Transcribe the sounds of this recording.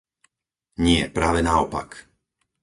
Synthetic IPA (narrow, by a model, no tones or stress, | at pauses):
ɲɪɛ̰pɾaːʋɛnaɔpa̰k